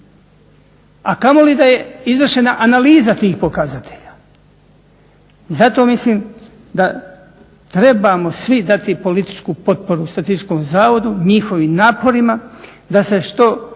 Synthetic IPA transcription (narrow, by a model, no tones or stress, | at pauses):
akamo̞lid̪aje̞izʋr̩ʃe̞naʔanaliːzat̪iːxpo̞kazat̪ʰe̞ʎaː | zat̪o̞ːmisliːm | d̪a | t̪ɾe̞bamo̞sʋid̪at̪ipo̞lit̪i̥t͡ʃkuːpo̞t̪̚po̞ɾust̪at̪iko̞ːmzaːʋo̞d̪uɲixo̞ʋimnaːpo̞ɾima | d̪ase̞ʃt̪o̞